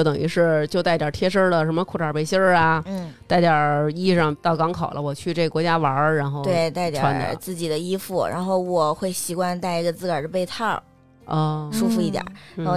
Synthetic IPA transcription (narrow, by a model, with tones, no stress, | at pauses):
o˧˩t̪ɤ˨˩ŋḭ˧˥ʂɻ̩˥˩t͡ɕjo˥˧ʊt̪a˥˩ɪt̪jɑ˨˩tʰjɛ˥ʂə˥lə˨ʂə˧˥nmə˧kʰu˨˥˩ʈ͡ʂʰa˨˩pe˥˩ɪɕjə˥a˩n̩˥˩t̪a˥˩ɪt̪jɑ˨˩i˥˧˩ʂɑ˥˧ŋt̪ɑ˥˩ʊkɑ˧˥ŋkʰɑ˨˩ʊlʔə˦wɔ˨˩t͡ɕʰy˥˧ʈ͡ʂe˥˩ɡə˩kwɔ˧˥t͡ɕja˥ʋɐ˧˥ɻa˧˥nxo˥˧t̪we˥˩ɪt̪a˥˩ɪ˧t̪jʈ͡ʂʰwa˧˥nd̪ə̰˞˨˧˩t͡sɹ̩˥˩t͡ɕi˨˩d̪ə˦i˥fu˥˩ɻa̰˧˥nxo˥˩ʊwɔ˨˩xwe˥˩ɪɕi˧˥kwa˥˧nt̪a˥˩ɪi˧˥ɡə˧t͡sɹ̩˥˩kə˨˩d̪ə˦pe˥˧ɪt̪ʰɑ˥˩ | ɔ˥˧ʂu˥fu˧˩i˧˥t̪ja̰˨˩˦n˧˥xo˥˩